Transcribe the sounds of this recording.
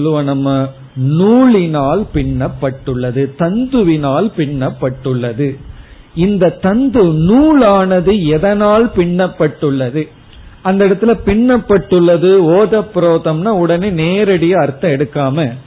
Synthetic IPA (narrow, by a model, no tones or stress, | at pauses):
lɯʋɐnɐmːɐ | nuːɭɪnaːlpɪɳːɐpːɐʈːɯɭːɐðɯt̪ɐnd̪ɯʋɪnaːlpɪɳːɐpːɐʈːɯɭːɐðɯ | ɪnd̪ɐt̪ɐnd̪ɯnuːɭaːnɐðɯɛðɐnaːlpɪɳːɐpːɐʈːɯɭːɐðɯ | ɐnd̪ɐɪɽɐt̪ːɪlɐpɪɳːɐpːɐʈːɯɭːɐðɯoːðɐpːɾoːðɐmnaːʊɽɐneːneːɾɐɽɪjaːɐɾt̪ːɐ̃ɛɽɯkːaːmɐ